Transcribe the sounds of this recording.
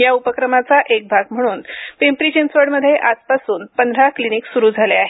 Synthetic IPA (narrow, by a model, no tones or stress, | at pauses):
jaupəkɾəmat͡saʔek̚bʱaɡm̤əɽ̃uːnpempɾid͡ʑensʋəɽməd̪ʱːjeʔad͡zpasuːnpənd̪ʱɾakliniksuɾuːd͡zʱaleaɦe